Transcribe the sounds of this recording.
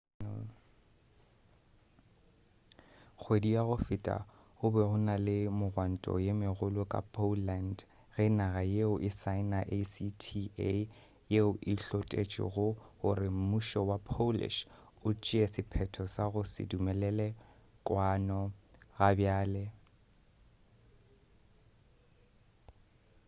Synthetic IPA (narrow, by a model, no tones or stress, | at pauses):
k͡xʰwediaɣʊfɪtʼa̰ | ɣʊbɛɣʊnalɪmʊɣwan̩tʼɔ̰jemɪɣʊlʊkʼa̰pʰʼoland | ɣɪnaɣajeʊʔɪsaɪnaʔesitʰie | jeʊʔɪɬɔtʼḛt͡ʃʼɪ̰ɣʊɣʊrɪm̩muʃɔwapʰolɪ̰ʃ | ʊt͡ʃʼɪɛsɪpʰɛtʰɔsaɣʊsɪ̰dumɛlɛlɛ | kʼwanɔɣabjaːlɛ